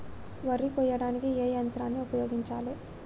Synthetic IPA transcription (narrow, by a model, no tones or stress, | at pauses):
ʋɐɾikɔjɐɽaːnikieːjɐnt̪ɾaːnːiupɐjoːɡiɲt͡ʃaːle